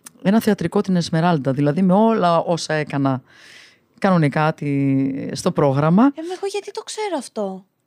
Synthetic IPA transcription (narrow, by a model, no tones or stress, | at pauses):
e̞nɐθeɐt̪ɾiko̞t̪inezme̞ɾɐld̪ɐðilɐðime̞o̞lɐo̞sɐe̞kɐnɐ | kɐnonekɐt̪ist̪o̞pɾo̞ɣɾɐmɐemeɣoʝɐt̪it̪okse̞ɾoɐft̪o̞